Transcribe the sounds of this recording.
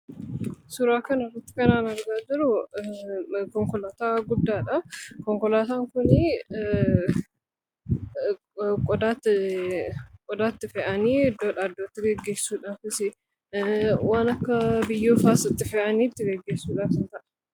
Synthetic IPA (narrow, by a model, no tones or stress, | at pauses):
sʊɾaːkɐnrːɐt̪ːɪ̥kɐnaːnɐɾɡaːd͡ʒɪɾʊ | kɔŋkɔlaːt̪aːɡʊd̪ːaːᶑɐkɔŋkɔlaːt̪aːŋkʊnɪ | kʼɔd̪aːt̪ːɪ | kʼɔd̪aːt̪ːɪfɛʔɐniːd̪oᶑɐd̪oːt̪ːɪɡɛɡːe̞ːsːuːᶑaːfɪsɪ | waːnɐkːɐbɪjːoːfaːsɪt̪ːɪfɛʔɐniːt̪ːɪɡɛɡːeːsːuːᶑaːfɪnt̪ɐʔɐ̥